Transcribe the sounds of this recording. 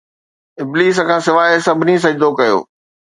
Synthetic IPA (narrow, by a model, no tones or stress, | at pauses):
ɪbliːs̬kʰãːsɪʋaːesɐbʱnis̬ɐd͡ʑd̪okɐjo̰ː